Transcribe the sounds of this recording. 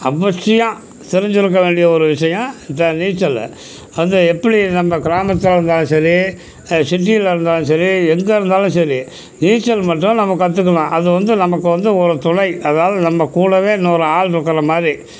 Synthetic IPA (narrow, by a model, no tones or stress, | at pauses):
ɐbɐsʂɐjãː | t̪ɪɾɪɲd͡ʒɪɾɯk̬ːɐʋeːɳɖɪjɐɔɾɯʋɪʂɐjɐ̃t̪ːɐniːt͡ʃːɐl̰ | ʋɐnd̪ɯɛpːɐɽinɐmːɐkɪɾaːmɐt̪ːɯlɪɾɯnd̪aːlʊ̃sɐɾi | sɪʈːɪjɪlɪɾɯnd̪aːlʊ̃sɐɾiɛŋɡɐɪɾɯnd̪aːlʊ̃sɐɾi | niːt͡ʃːɐlmɐʈːʊ̃nɐmɐkːɯɐt̪̬ːɯkːɐlãːʔɐðɯʋɐnd̪ɯnɐmɐkːɯʋɐnd̪ɯɔɾɯt̪ʊɳɐɪɐðɐnaːlɐnɐmːɐkuːɽɐʋeːnoːɾɐaːlɪɾɯkːɐɾɐmaːd̪ɾi